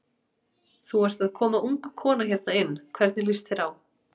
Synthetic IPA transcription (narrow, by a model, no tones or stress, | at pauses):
θuɛɾ̥t̪aðkʰɔːmaʔuŋkkʰɔːnaçaɾt̪naɪnːkʰvɛɾt̪nɪlist̪θɛɾaw